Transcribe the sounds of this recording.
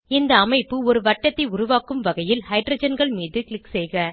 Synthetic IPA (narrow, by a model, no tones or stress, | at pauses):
ɪnd̪ɐːmɐɪpːɯɔɾɯʋɐʈːɐt̪ːɐɪʊɾʊʋaːkɯmʋɐɣɐjɪlhɐɪɖɾɐd͡ʒɐnɡɐɭmiːðɯkɭɪksɛːɣɐ